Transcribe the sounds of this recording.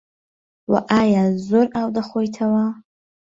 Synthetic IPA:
wa̰ʔajazoɾawd̪aχʷojtʰawa

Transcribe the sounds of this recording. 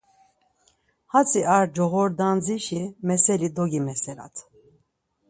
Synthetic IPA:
hat͡sʰiaɾd͡ʒɔɣɔɾd̪and͡ziʃimɛsɛlid̪ɔɡimɛsɛɾa̰t̪ʰ

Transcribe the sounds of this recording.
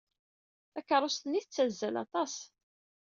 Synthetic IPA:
ækːəɾˤost̪əniθət͡sːæzːælɑ̰t̪ˤɑs

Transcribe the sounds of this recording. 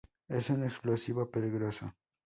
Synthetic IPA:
esuneksplosiβapeliɣɾosa

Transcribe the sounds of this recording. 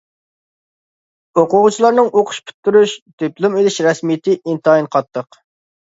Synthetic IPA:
oqʊʁʊt͡ʃʰilˠɑɾnɨŋʔoqʰʊ̥ʃpʰy̥t̪ːyɾuʃt̪ʰøplˠumelɪʃɾɛsmijt̪ʰɪʔint̪ɑinqʰɑt̪ʰːəq

